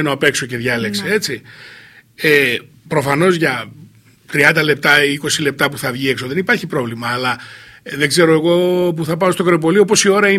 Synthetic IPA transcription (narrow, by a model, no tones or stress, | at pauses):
noɐpe̞kso̞ce̞ðʝɐle̞kse̞et͡si | e | pɾo̞fɐno̞zʝɐ | t̪ɾiɐnd̪ɐle̞p̚t̪ɐiko̞sile̞p̚t̪ɐpuθɐvʝieksoðe̞nipɐɾçipɾo̞vlimɐːlɐðe̞ɡze̞ɾo̞e̞ɣo̞p̬uθɐpɐo̞st̪o̞kɾep̬o̞liopo̞sio̞ɾɐi